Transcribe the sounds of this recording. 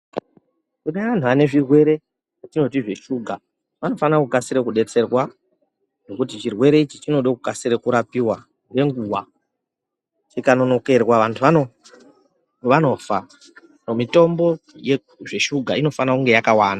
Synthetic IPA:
kuɗaʋan̤uane̞ʐirwe̞ɾe̞ | atino̞t̬iʐe̞ʃuːɡʱa | ʋano̞fanakukasiɾekuɗe̞t͡se̞rwa | no̞kutit͡ʃirwe̞ɾe̞it͡ʃit͡ʃino̞ɗokukasirekuɾapiwa | nɡe̞ŋɡuwa | t͡ʃikano̞no̞ke̞rwaʋantʰuʋano | ʋano̞fa | nomito̞mbo̞je | ʐe̞ʃuɡʱaino̞fanakuŋɡe̞jakawaːna

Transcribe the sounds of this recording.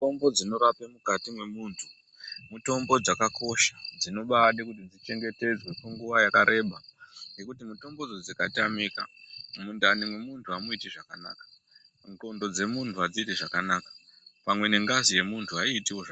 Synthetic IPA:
ombo̞d͡zino̞ɾapemukatimwe̞muːntʰu | muto̞mbo̞d͡zakako̞ʃḁd͡zino̞ɓaɗikutid͡zit͡ʃe̞ŋɡe̞te̞d͡zwe̞keŋɡuʋajakaɾe̞ɓaŋɡe̞kutimuto̞mbo̞d͡zod͡zikatamikamundanimwe̞muntʰuamoitiʐakana̰ːkḁ | ŋto̞ndo̞d͡ze̞muntʰuad͡zitiʐakanaːkḁpamwe̞ne̞ŋɡazije̞muntʰuaiːtiwoʐa

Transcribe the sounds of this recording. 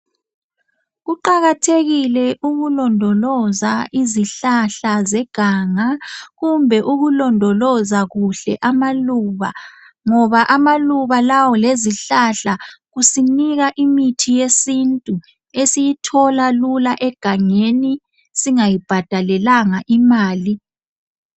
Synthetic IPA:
ɣuǃaɣatʰeɣilɛʔuɣulɔndʱɔlɔzaʔiziɬaɬazɛɡ̥ʱaŋaɣumbʱɛʔuɣulɔndʱɔlɔzaɣuɬɛ̰ʔamaluβa | ŋɔβaʔamaluβalawɔleziɬaɬaɣusiniɣaʔimitʰijesintʼu | esijitʰɔlalulaʔɛɡ̥ʱaŋeni | siŋajib̥ʱad̥ʱalɛlaŋaʔimaːli

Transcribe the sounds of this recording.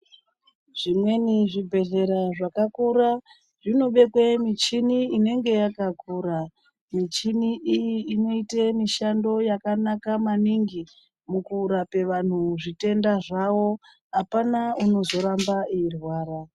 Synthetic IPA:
ʐ̥imwe̞niʐibʱe̞ɮe̞ɾaʐakakuɾa | ʐino̞ɓe̞kwemit͡ʃiniine̞ŋɡe̞jakakuːɾa | mit͡ʃiniʔijiːno̞itemiʃando̞jakanakamaniŋɡi | mukuːɾape̞ʋan̤uʐite̞ndaʐawo̞ | ɦapanauno̞zo̞ɾambaiirwaːɾa

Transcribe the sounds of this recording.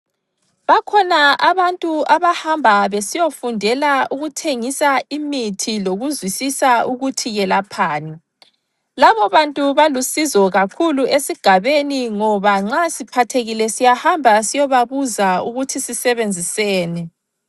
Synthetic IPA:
βakʰɔnaaβantʼuaβahambʱaβesijofundʱɛlauɣutʰeŋisaimitʰiloɣuzwisisauɣutʰiɣɛlapʰaːnɛ | laβɔβantʼuβalusizɔɣakʰuluesiɡ̥ʱaβeniŋɔβaŋ͡ǁasipʰatʰeɣilɛsijahambʱasijɔβaβuzauɣutʰisisɛβend͡zʱisɛːnɛ

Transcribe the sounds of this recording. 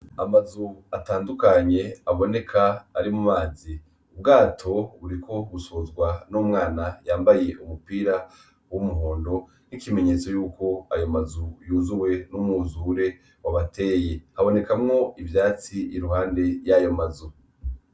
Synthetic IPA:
amazuataːndukaɲe̞aβo̞ne̞kʰaːɾimumaːzi | ub̚ɡaːtʰo̞βuɾikʰo̞ɡusohozɡwanuːmŋaːnajaːmbaje̞ʔumupiːɾa | wumuɦo̞ːndo̞ | nikime̞ɲe̞t͡so̞juːko̞ajo̞mazujuːzuwe̞numuzuɾe̞ | waβatʰe̞ːje̞haβo̞ne̞kamŋo̞ivjaːt͡siiɾuhaːnde̞jajo̞mazu

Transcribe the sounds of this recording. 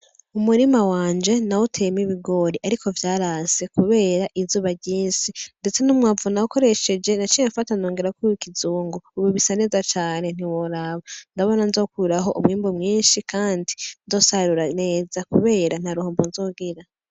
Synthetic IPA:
umuɾimawaːnd͡ʒe̞nawutʰemiβiɡo̞ɾiʔaɾikʰo̞vjaːɾase̞kuβe̞ːɾaʔizuːβaɟiːnsinde̞t͡se̞numŋaːvunauko̞ɾe̞ʃe̞d͡ʒe̞nat͡ʃiɲeɱfatano̞ːŋɡe̞ɾakuikizuːŋɡouβuβisane̞ːzat͡ʃaːne̞n̥iwoɾaβandaβo̞nanzo̞ːkuɾaɦo̞ʔṵmŋiːmbomŋiːnʃikʰaːndinzo̞ːsaɾuɾane̞ːzakuβe̞ːɾan̥haɾuhoːmbonzo̞ːɡiɾa

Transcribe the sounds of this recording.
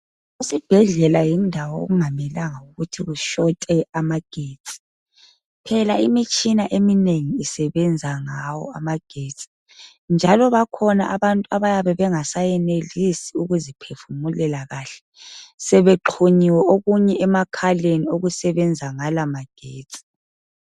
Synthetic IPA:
usib̥ʱɛɮɛlajindʱawɔo̰ɣuŋamɛlaŋauɣutʰiɣuʃɔtʼɛamaɡ̥ʱeːtʼi̥ | pʰɛlaimit͡ʃʼinaʔemineŋiisɛβɛnd͡zʱaŋawɔ̰amaɡ̥ʱetʼi̥ | nd͡ʒʱalɔβakʰɔna̰ʔaβantʼuaβajaβɛβɛŋasajɛnelisiuɣuzipʰefumulɛlaɣaːɬɛ̥ | sɛβeǃʰuɲiwɛʔoɣuɲɛɛmakʰalenioɣusɛβɛnd͡zʱaŋalamaɡ̥ʱeːtʼi̥

